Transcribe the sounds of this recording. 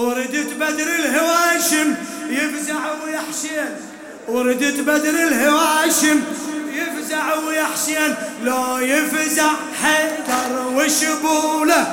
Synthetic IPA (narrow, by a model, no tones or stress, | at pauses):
wɾɪd̪ɪt̪bad̪ɾɪlɦɪwaʃɪmjɪfzaʕwjaħʃan | wɾɪd̪ɪt̪bad̪ɾɪlhɪwaʃɪmjɪfzaʕwjaħʃjanlojɪfzaʕ | ħad̪ɑɾˤwɪʃɪbula